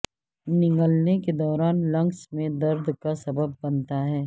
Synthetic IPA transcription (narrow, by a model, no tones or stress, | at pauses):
nɪ̃ŋɡəlneked̪ɔːɾaːnlɐ̃ŋɡsmẽd̪ɐɾd̪kasɐbəbːɐnt̪aɦɛː